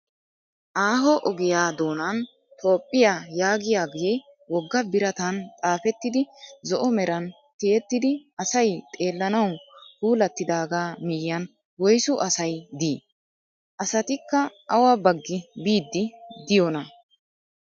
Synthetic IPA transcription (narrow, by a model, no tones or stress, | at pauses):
ʔaːɦɔʔɔɡɪjaːd̪o̞ːnɐn | t̪ʰo̞ːpʼːɪjaːjaːɡɪjaːɡɪjɛ | wɔɡːɐbɪɾɐt̪ɐnt̪ʼaːfɛt̪ːɪd̪ɪzɔʔɔmɛɾɐn | t̪ɪjɛt̪ːɪd̪ɪɐsɐjt̪ʼe̞ːlːɐnɐwhuːlɐt̪ːɪd̪aːɡaːmɪjːɐn | wɔjsʊʔɐsɐjd̪iː | ʔɐsɐt̪ɪkːɐːwɐbɐɡːɪbiːd̪ːɪd̪ɪjɔnɐ